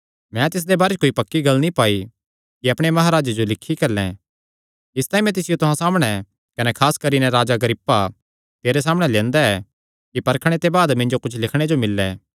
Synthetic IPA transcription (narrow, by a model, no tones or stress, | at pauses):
mɛ̃t̪ɪs̬d̪ebaːɾekoːipɐkːiɡɐlnipaːi | kiɐpɽ̃emɐɦaɾaːd͡ʒed͡ʒolɪkʰːikɐɾlɛ̰̃ | ɪst̪aːĩmɛ̃t̪̬ɪsɪjot̪ʊɦãsaːmɽ̃ɛ | kɐnɛkʰaːskɐɾinɛ̃ɾaːd͡ʒaɡɐɾɪpːa | t̪eːɾes̬aːmɽ̃ɛlɛ̃ːnd̪aɛ | kipɐɾkʰɽ̃et̪ebaːd̪mɪ̃nd͡ʒokʊt͡ʃʰlɪkʰɽ̃ed͡ʒomɪlːɛ